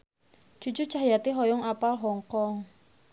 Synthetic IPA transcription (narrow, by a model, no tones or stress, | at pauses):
d͡ʒ̥ṳ̥d͡ʒu̥t͡ʃahjat̪iɦɔjɔŋapalɦɔŋkɔŋ